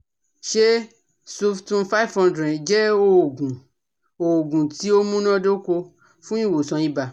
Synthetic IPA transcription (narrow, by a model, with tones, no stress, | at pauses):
ʃe˦ | su˦ftũ˦fa˦i˦vhɔ̃˧ndɾɛ˨d͡ʒɛ˦o˦˨ɡũ˨ | o˨ɡũ˨ti˨˦o˦mũ˦nã˦do˦ko˧ | fũ˦ĩ˦˨wo˨sã˨ĩ˦ba˧